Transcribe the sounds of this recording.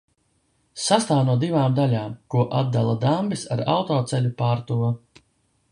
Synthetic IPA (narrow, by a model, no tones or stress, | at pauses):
sast̪aːvnuɔd̪ivaːmd̪alʲaːmkuɔʔad̪̚d̪alˠad̪ambisaɾa̰wt̪ɔːt̪sɛlʲupaːɾt̪u